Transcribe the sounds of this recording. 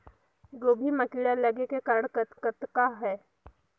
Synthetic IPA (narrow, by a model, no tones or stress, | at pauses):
d͡ʒoːbʱimɐkiːɽalɐɡekekɐɾəɽ̃kət̪kət̪kaɦɛː